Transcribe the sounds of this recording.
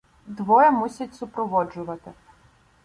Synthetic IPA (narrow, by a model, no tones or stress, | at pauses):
d̪ʋɔjɛmusʲɐtʲsʊpɾɔʋɔd͡ʒʊʋɐt̪ɪ